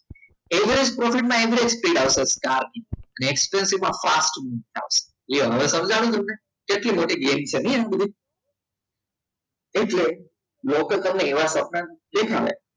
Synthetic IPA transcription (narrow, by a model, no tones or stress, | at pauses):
eʋɾespɾɔfiʈ̚mãeʋɾiekspɾiʈaʋseskaɾniəneːkspensiʋmãfasʈmint̪ʰa̰ʋse̥ | iɦəʋesəmd͡ʒʱaʋet̪̬əmne | keʈlimoʈiɡemt͡ʃʰenəjnebəd̪ʱi | eʈle | lokət̪əmneːʋasəp̚nəlekʰa̰ʋḛ